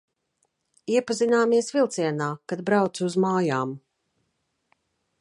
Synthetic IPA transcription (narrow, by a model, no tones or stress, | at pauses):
iɛpazinaːmiɛsvilˠt̪siɛnaːkad̪̚bɾawt̪suzmaːjaːm